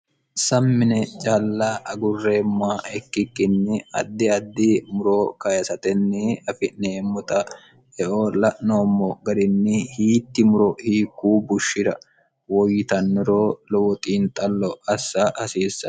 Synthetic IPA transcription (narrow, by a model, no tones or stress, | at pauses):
sɐmːɪnɛt͡ʃʼaːlːaʔɐɡʊrːe̞ːmːʊaɛkːɪkːɪnːɪɐ̰d̪ːɪɐd̪ːɪmʊɾokɐjɐsɐt̪ɛnːɪɐfɪneːmːʊt̪ɐ | ɛʔoːlɐʔno̞ːmːɔɡɐd̪ɪnːɪhiːt̪ːɪmʊɾɔhiːkːuːbʊʃːɪd̪ɐ | wɔjːɪt̪ɐnːɪɾoːlɔwɔt̪ʼiːnt̪ʼɐlːɔɐsːɐʔɐsiːsːɐ